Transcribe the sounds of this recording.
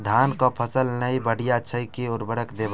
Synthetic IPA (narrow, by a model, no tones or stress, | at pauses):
d̪ʱankɔpʰəsəlnəibəɽ̤ijat͡ʃʰəkioɾbəɽəkd̪eb